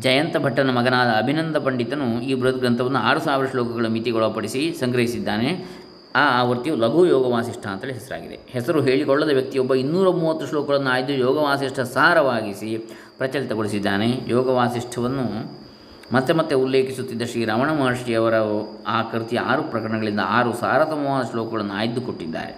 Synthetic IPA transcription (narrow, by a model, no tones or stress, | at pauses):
d͡ʒɐjɐnt̪ɐbʱɐʈːɐnɐmɐɡɐnaːd̪ɐːbʱinɐnd̪ʱɐpɐɳɖit̪ɐnuiːbɾut̪ɡɾɐnt̪ʰɐʋɐnːuaːɾusaːʋiɾɐʂlɔːkɐɡɐɭumit̪iɡɔɭɐpɐɽisisɐŋɡɾɐɦisid̪ːaːne̞ | aːaːʋɐɾt̪ːijulɐɡʱujɔːɡɐʋaːsiʂʈʰaːnt̪ːɐleɦɛsɐɾa̰ːɡid̪ḛhɛsɐɾuɦe̞ːɭikɔɭːɐd̪ɐʋjɐk̚t̪ijɔbːɐinːuːɾɐmuːʋɐt̪ːuʂlɔːkɐɡɐɭɐnːuaːjid̪ːujɔːɡɐʋaːsiʂʈʰɐsaːɾɐʋaːɡisi | pɾɐt͡ʃɐlit̪ɐɡoɭisid̪ːaːne̞jɔːɡɐʋaːsiʂʈʰɐʋɐnːu | mɐt̪ːemɐt̪ːeulːe̞ːkisut̪ːid̪ːɐʂɾiːɾɐʋɐɳɐmɐːʂiɐʋɐɾɐaːkɐɾut̪ija̰ːɾupɾɐkɐɾɐɳɐɡɐɭind̪ɐ̰aːɾusa̰ːɾat̪ɐmɐʋaːd̪ɐʂlɔːkɐɡɐɭɐnːua̰ːjid̪ːukoʈːid̪ːa̰ːɾḛ